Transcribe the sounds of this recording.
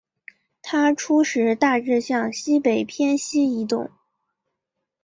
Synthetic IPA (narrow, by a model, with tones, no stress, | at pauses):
t̪ʰa˥ʈ͡ʂʰu˥ʂɻ̩˧˥t̪a˥˧ʈ͡ʂɻ̩˥˧ɕjɑ˥˩ŋɕi˥pe˨˩ɪpʰjɛ˥nɕi˥i˧˥t̪ʊ̰˥˩ŋ